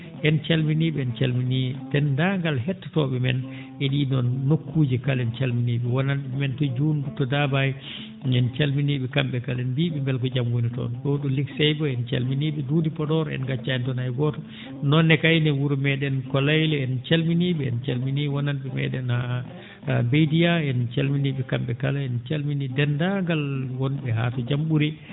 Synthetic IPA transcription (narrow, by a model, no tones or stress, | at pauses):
ʔɛnt͡ʃalminiɓɛɛnt͡ʃalminiɛtɛndaŋɡalɦɛtːḁtɔːɓɛmɛ̰n | ɛɗiːnɔnːokːuːd͡ʒikalɛnt͡ʃalminiːɓɛwɔnanɓɛmɛntɔd͡ʒuːndutːɔdabajɛ | ɛnt͡ʃalminiɓɛkamɓɛkalɛnbiɓɛmbɛlkɔd͡ʒamwonitɔ̰nɗoɗuliksɛjɡɔɛnt͡ʃa̰lminiːɓɛdudipɔɗɔɾɛ̰nɡat͡ʃːaɛntɔnajɡɔtɔ | nɔnːɛkajnɛwuɾumɛɗɛnkɔlajlɛɛnt͡ʃalminiɓɛɛ̰nt͡ʃalminiwɔnanɓɛmɛ̰ɗɛna | bejdijaɛnt͡ʃalminiɓɛkamɓɛkalaɛnt͡ʃalminidɛndaŋɡalwɔnɓɛɦa̰tɔd͡ʒamɓuɾi